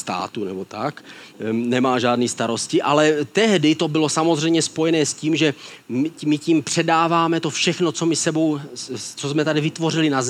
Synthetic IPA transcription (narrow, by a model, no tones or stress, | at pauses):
st̪a̰ːt̪unɛbo̞t̪a̰knɛmaːʒaːdniːst̪aɾo̞scɪʔalɛt̪ɛɦdɪt̪o̞bɪlo̞samozr̝ɛjmɲɛspo̞jɛnɛːsciːmʒɛmmɪciːmpr̝̥ɛdaːvaːmɛt̪o̞fʃɛxnot͡so̞mɪsɛbo̞wt͡sozmɛt̪adɪvɪt̪vo̞rɪlɪnaz